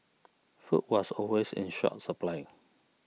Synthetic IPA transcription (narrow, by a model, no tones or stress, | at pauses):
fuʔ̚wɔsɔlwesɪ̰̃nʃɔ̰t̚səplaɪɪ̃